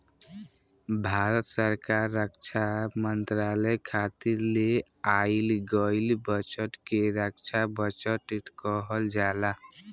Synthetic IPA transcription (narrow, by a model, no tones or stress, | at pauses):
bʱaɾət̪səɾkaɾːəkt͡ʃʰamənt̪ɾaləjkʰat̪iɾle | ailɡɔilbət͡ʃəʈkeɾəkt͡ʃʰabət͡ʃəʈiʈkɔɦəld͡ʒala